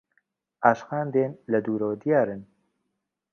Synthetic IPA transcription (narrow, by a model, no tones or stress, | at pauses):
ʔaːʃxaːnd̪eːnlɛd̪uːɾoːd̪ijaːɾɨn